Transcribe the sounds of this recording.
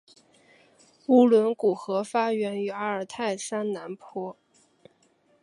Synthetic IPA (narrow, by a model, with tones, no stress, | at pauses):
u˥lwə˧˥nku˨˩xɤ˧˥fa˥ɥɛ˧˥ny˧˥a˥ə˞˨˩t̪ʰa˥˩ɪsa˥nna˧˥npʰwɔ˥